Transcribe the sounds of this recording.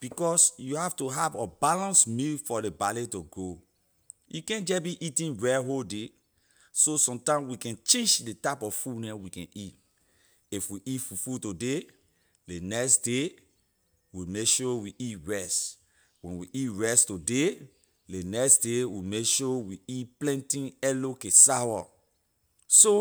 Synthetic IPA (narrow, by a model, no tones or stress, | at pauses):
b̥ikɔsjuhaftuɦavɔbalãnsmilfɔlebaletoɡo | jukɛ̃nd͡ʒɛbiʔitĩnɹɛɦolde | sosɔ̃mtãɪ̃mwikɛ̃nt͡ʃẽnd͡ʒdetapɔffunɛwikɛ̃nit | ifwiʔitfufutode | lenɛksde | wimekʃɔwiʔitɹɛst | wɛ̃nwiʔitɹɛstode | lenɛksdewimekʃɔwiitplɛ̃ntĩnɛlokẽsawa | so